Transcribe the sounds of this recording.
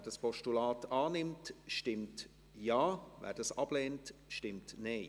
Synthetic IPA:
ɛd̥ɑspʰɔʃtulaːtʰɑːnɪmtʃtɪmt | jaːvɛ̰ːɾd̥ɑsɑb̥leːntʃtɪmtneɪ

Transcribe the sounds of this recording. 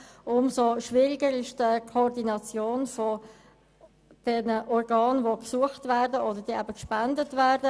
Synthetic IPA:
ʔʊmsoʃvɪʁɪɡəɾɪʃdəkʰɔrdinɑt͡sjoːnfɔ | d̥ɛnəʔɔrɡɑːnvoksuəχtvæːɾdəʔodəɾd̥iːʔæbəkʃpændətvæːɾdə

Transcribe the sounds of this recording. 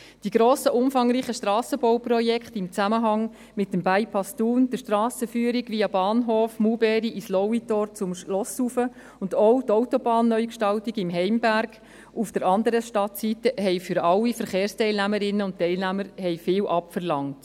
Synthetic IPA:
d̥iɡ̥ɾoːsəʔʊmfɑŋɾiːχəʃtrɑːsəbowprɔjɛkχtɪmt͡sæməɦɑŋ | mɪtːəmbæɪpʰɑstuːnd̥əʃtrɾɑːsəfyːəɾiɡʋiɑbɑːnɦoːfmubɛɾiʔislɔwitɔɾt͡sʊmʃlɔsufə | ʊndɔʊtɔʊtɔbɑːnːœʏjkʃtɑltiɡɪmɦɛɪmbæɾɡ | ufd̥əɾɑndəɾəʃtɑtsitəɦɛɪfʏɾɑlːifəɾχeːɾstɛɪlnæməɾɪnːəʊnttɛɪlnæməɾhɛɪfɪːwʔɑpfəɾlɑŋt

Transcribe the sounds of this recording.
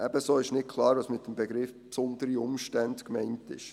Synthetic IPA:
ʔæb̥əsoːɪʃnɪt̚kʰlˠɑːɾʋɑːsmɪt̚d̥əmbeɡɾɪfpsɔnd̥̪əɾiʊmʃtændkmɛɪntɪ̰ʃ

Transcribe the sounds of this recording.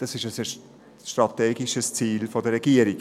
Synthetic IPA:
d̥ɑsɪʃəsə | ʃtɾɑtɛːɡiʃəst͡siːlfɔdəɾɛɡiəɾik

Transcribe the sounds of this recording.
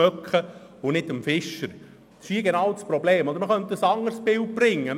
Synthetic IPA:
œkχəʊnɪdəmfɪʃəɾ | d̥sɪ̥ʃiːɡenɑwt͡sspɾɔbleːmɔd̪əɾməχœnt̪ːəsɑŋːəɾsbɪl̚b̥rɪŋːə

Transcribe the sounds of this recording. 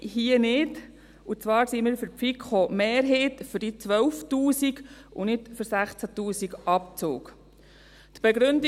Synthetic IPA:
ɦiənɪd | ut͡sʋɑːɾsimiːɾfʏɾpfikχomeːɾɦeːtfʏɾdit͡sʋœlftuːsiɡunɪtfʏɾsæχt͡sæt̪uːsiɡʔɑp̚t͡sʊ̰ːk | t̪b̥eɡɾʏnd

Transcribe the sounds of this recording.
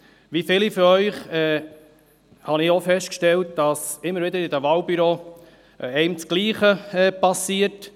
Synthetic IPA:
ʋifɪlifyɾœʏχɛː | hɑnɪofɛst̚kʃtɛlt̚d̥ɑsɪmːəɾʋɪdəɾɪdəʋɑːlbyɾoː | ɛɪmt͡sɡ̥liːχəɛːpɑsiːəɾt

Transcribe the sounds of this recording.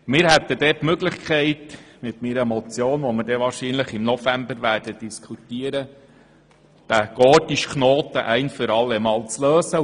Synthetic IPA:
mɪːɾhɛt̪ːəd̥̪ɛtmøɡləχkʰɛɪtmɪtmiɾəmɔt͡sjoːnʋɔməɾdɛʋɑːɾʃiːnləχɪmnɔfæmbəɾʋæːrd̥əd̥iskʰut̪iːəɾə | d̪̥æɡ̥ɔːtiʃknoːt̪əʔɛɪnfʏɾɑlːɛmɑːlt͡sløːsə

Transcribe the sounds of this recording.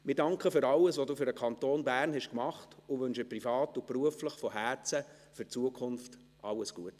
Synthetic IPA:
mɪdɑŋkχəfʏɾɑləsʋoduːfʏɾəkʰɑnt̪oːnbæːrnhɛʃkmɑχtʊʋɵnʃəprifɑːtʊpruəfləχfɔhæt͡sə | fʏrt͡suəkʰʊnft | ʔɑlːəsɡ̥uət

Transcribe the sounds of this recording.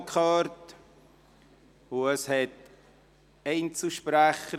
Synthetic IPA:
kχɑɾt | ʊəshɛt | ɛɪnt͡suʃpɾæχə

